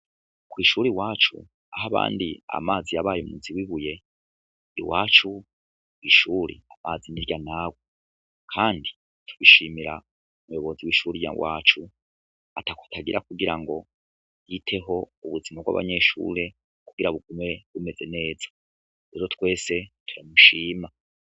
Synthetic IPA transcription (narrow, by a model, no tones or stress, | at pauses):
kwiʃuɾiwaːt͡ʃṵ | aɦaβa̰ːndia̰maːzijaβaːjomuziwiβuje̞ | ḭwaːt͡ʃu | wiʃuɾḭamaːziniɾɟanaːɡwo | kʰaːndi | tʰu̥βiʃimiɾa | umujo̞βo̞ziwiʃuɾija̰wa̰ːt͡ʃu | atakḁtʰaɡiɾakuɡiɾaŋɡo̞ | jitʰe̞ɦo̞uβuzimaβɡwa̰βa̰ɲe̞ʃṵːɾe̞ | kuɡ̥iɾaβuɡume̞βume̞ze̞ne̞ːzḁ | ɾe̞ːɾo̞tkwe̞ːse̞tʰuɾamuʃiːma